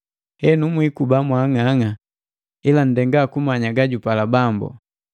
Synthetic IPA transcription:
hɛnumwikubamwaŋaŋa | ilan̩dɛŋɡaːkumaɲaɡaɟupalabambṵ

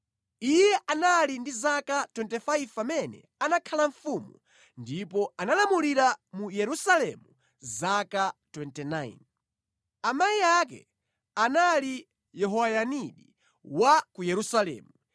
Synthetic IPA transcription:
ijɛʔanalindizakatwɛntɛfaivpamɛnɛ̰ | anakʰalaɱfumu | ndipɔanalamuliɾamujɛɾusalɛ̰mu | zakatwɛntɛnaḭn | amaiakɛ̰ | anali | jɛɦɔwajaniɗi | wakujɛɾusalɛ̰ːmu

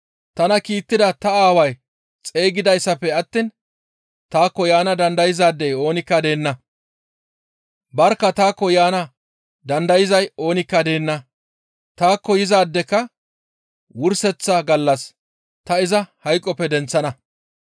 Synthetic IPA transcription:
t̪ɐnɐkiːt̪ːɪd̪ɐt̪ɐaːwɐj | t͡sʼe̞ːɡɪd̪ɐjsːɐpːɛɐt̪ːin | t̪aːkːɔjaːnɐd̪ɐnd̪ɐjɪzaːd̪ːɛjo̞ːnɪkːɐd̪e̞ːnːɐ | bɐɾkːɐt̪aːkːɔjaːnɐ | d̪ɐnd̪ɐjɪzɐjo̞ːnɪkːɐd̪e̞ːnːɐ | t̪aːkːɔjɪzaːd̪ːɛkːɐ | wʊɾsɛt͡sːɐɡɐlːɐs | t̪ɐɪzɐhɐjkʼːɔpːɛd̪ɛnt͡sːɐnɐ

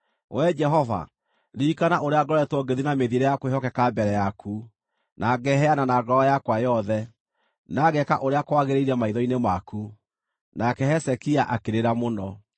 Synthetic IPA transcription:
wʔɛd͡ʒɛɦɔva̰ | ɾikanaʔoɾeaɡɔɾɔɛtwɔɡeðinameðiɾɛjakwehɔkɛkabɛɾɛjakʰu | nʔaɡɛɦɛananaɡɔajakwajɔðɛ | naɣɛka̰ʔoɾeakwaɣeɾeiɾɛmaiðɔinemaku | nakɛhɛsɛkiaʔakeɾeɾamonɔ

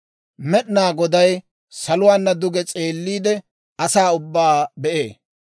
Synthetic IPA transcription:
mɛɗnaːɡɔd̪ɐj | sɐlʊwaːnːɐd̪ʊɡɛt͡sʼeːlːiːd̪ɛ | ɐsaːʊbːaːbɛʔḛː

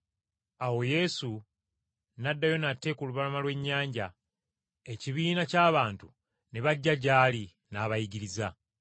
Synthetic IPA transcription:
awo̞je̞su | nadːajo̞natːe̞ːkuluβalamalwe̞ɲːaːɲɟa | e̞ciβiːnacaːβaːntu | ne̞βaɟːaɟaːli | naβajiɟiɾiza

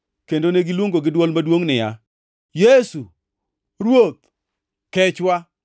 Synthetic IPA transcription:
kendoneɡɪlwoŋɡoɡɪdwɔlmadwoŋnɪja | jesu | ɾwot̪̚ | kɛt͡ʃwa

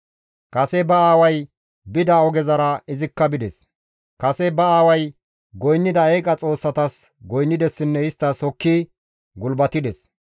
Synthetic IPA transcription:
kɐsɛbɐaːwɐj | bɪd̪ɐɔɡɛzɐɾɐɪzɪkːɐbɪd̪ɛs | kɐsɛbɐaːwɐj | ɡɔjnːɪd̪ɐeːkʼɐt͡sʼo̞ːsːɐt̪ɐs | ɡɔjnːɪd̪ɛsːɪnːɛɪst̪ːɐsɔkːi | ɡʊlbɐt̪ɪd̪ɛs

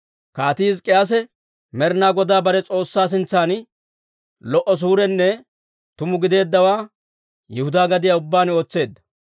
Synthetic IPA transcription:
kaːt̪iːskʼɪjas̬ɛ | mɛɾnaːɡɔd̪aːbɐɾɛt͡sʼo̞ːsːaːs̬ɪnt͡sːaːn | lɔʔɔs̬uːɾɛnːɛ | t̪ʊmʊɡɪd̪e̞ːd̪ːɐwaː | jɛhʊd̪aːɡɐd̪ɪjaʊbːaːno̞ːt͡sːe̞ːd̪ːɐ̥

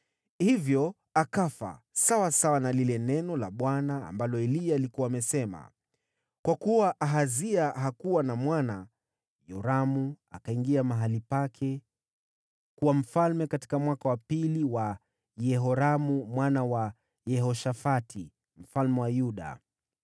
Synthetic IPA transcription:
hivjɔ | akafa̰ | sawasawanalilɛnɛnɔlaɓwana̰ːmbalɔɛliaːlikuwaːmɛsɛma̰ | kwakuwaʔaɦaziaɦakuwanamwana | jɔɾamu | akaiŋɡiamaɦalipakʰɛ | kuwam̩falmɛkati̥kamwakawapiliwa | jɛɦɔɾamumwanawa | jɛɦɔʃafatʰi | m̩falmɛwajuɗa̰

